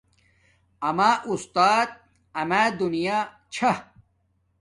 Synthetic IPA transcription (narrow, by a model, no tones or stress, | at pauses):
ɐmaːʔust̪aːt̪̚ | ɐmaːd̪unijaː | t͡ɕʰa